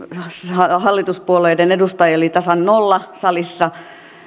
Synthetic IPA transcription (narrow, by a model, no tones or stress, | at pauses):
hɑhɑlːit̪uspuolˑeidenedust̪ɑjɑolit̪ɑsɑnnolːɑsɑlisːɑ